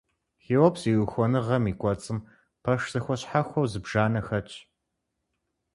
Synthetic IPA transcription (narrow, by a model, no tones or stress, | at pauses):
xiːwɐpsiːwɨxʷɔnɨʁɐmiːkʷʼɔt͡sʼɨm | pʰɐʂz̥ɨxʷɔɕħaxʷɔwzɨbʒ̥aːnɐxɐt͡ʃʼ